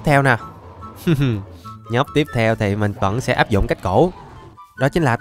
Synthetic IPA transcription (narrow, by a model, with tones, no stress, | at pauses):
t̪ʰɛ˧wnaː˨˩˨ | ɲə˦˥p̚t̪i˦˥əp̚t̪ʰɛ˧wt̪ʰi˨˩mï˨˩ŋ̟və̰˧˥nsɛ̰˧˥ʔaː˦˥p̚zʊ̰˧˨ŋ͡mka˦˥jk̟̚ko˧˩ | ɗɔ˨˦t͡ɕï˨˦nlaː˨˩